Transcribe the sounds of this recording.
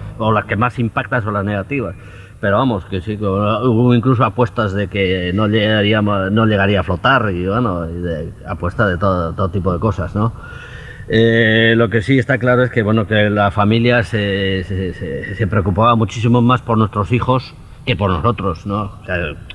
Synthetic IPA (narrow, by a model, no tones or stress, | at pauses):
olaske̞masimpak̚t̪ans̬o̞nlazne̞ɣat̪iβ̞as | pe̞ɾoamo̞skesikoouiŋklus̬o̞apwe̞st̪azðe̞ke̞noʎeaɾiano̞ʎe̞ɣaɾiaːflo̞t̪aɾiβwenoðeapwe̞st̪azðe̞t̪oðt̪oðot̪ipo̞ð̞e̞ko̞sazno̞ | elo̞ke̞sie̞st̪aklaɾoe̞ske̞βweno̞ke̞lafamiljasesesese̞pɾeo̞kupaβamut͡ʃis̬imo̞maspo̞ɾnwe̞st̪ɾo̞sixo̞s | ke̞po̞ɾno̞so̞t̪ɾo̞snosa